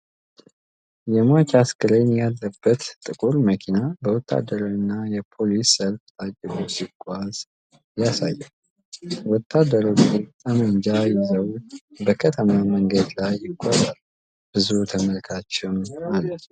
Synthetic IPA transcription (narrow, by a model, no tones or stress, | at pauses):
jɛmat͡ʃaskɨɾenjalːəbːət̪t̪ʼɨkʼuɾməkʰinabəwɔt̪ʰːa̰d̪ːəɾowɨnːajɛpʰo̞lisːəlfad͡ʒʼəɡosɪɡʼaz | jasajːɛ | wɔt̪ʰːad̪ːəɾot͡ʃit̪ʼəməɲd͡ʒajɪzəwbəkʰət̪ʰəmaməŋɡəd̪lajːɪɡʷʼːɔzal | b̥ɨzut̪ʰəməlkʰat͡ʃːɛwnalət̪